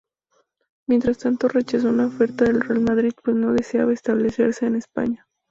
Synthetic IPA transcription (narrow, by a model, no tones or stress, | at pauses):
mjent̪ɾast̪ant̪o̞re̞t͡ʃas̬o̞unaofe̞ɾt̪aðe̞lre̞almaðɾið̥pwe̞zno̞ðe̞seaβaest̪aβ̞le̞se̞ɾse̞ːnespa̰ɲa